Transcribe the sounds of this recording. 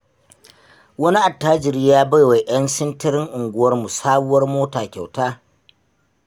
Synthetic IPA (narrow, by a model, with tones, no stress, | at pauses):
wɐ˦ni˦ʔa˨tːaː˦d͡ʒɪ˨rjaː˦bɐ˦jwa˨j̰ɐ˦nsɪ˦ntɐ˦ɾɪ˦ŋʔʊ˨ŋɡʷʊ˦wɐ˦rmu˨saː˦bʊ˦wɐ˦rmoː˦taː˨kʲa˨wtaː˦